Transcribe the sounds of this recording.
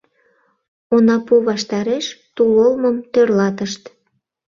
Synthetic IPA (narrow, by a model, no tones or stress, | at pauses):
onɑpuβɑʃt̪ɑɾeʃt̪ulolməmt̪ørlɑt̪əʃt̪